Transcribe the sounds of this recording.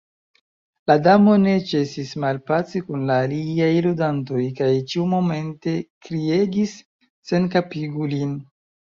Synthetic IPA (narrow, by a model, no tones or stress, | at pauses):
ladamo̞ne̞t͡ʃe̞sismalpat͡sikunlaːliajludanto̞jkajt͡ʃiumo̞me̞nte̞kɾie̞ɡisː | e̞nkapiɡulin